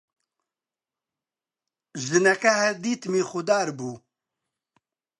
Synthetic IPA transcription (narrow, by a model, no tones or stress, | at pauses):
ʒɨnɛkɐhɛd̪iːt̪miːxʊd̪aːɾbuː